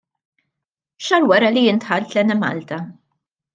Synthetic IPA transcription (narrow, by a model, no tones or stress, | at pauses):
ʃɐɾwɐɾɐlijɪnt̪ħɐlt̪lɛnɛmɐ̰lt̪ɐ